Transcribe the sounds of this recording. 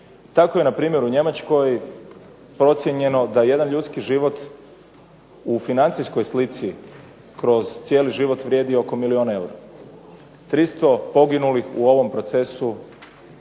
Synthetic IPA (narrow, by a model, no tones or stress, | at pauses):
t̪ako̞je̞napɾiːmje̞ɾuɲe̞mat͡ʃko̞j | pɾo̞t̪sje̞ɲe̞no̞d̪aeje̞d̪anʎut̪skiʒiʋo̞t̪ | ufinant̪sisko̞jslit̪si | kɾo̞zt̪sje̞ːliʒiʋo̞t̪ʋɾʲje̞ːd̪io̞ko̞milio̞ːnae̞wɾa | t̪ɾist̪o̞po̞ɡinulixṵo̞ʋo̞mpɾo̞t̪se̞su